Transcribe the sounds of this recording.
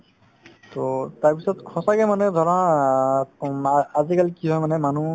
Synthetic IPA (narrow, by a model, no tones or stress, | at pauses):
tɔtaɹpisɔtkʰɔsakɛmanɛd̪ʱɔɹɔna | azikalikiɦɔjmanɛmanu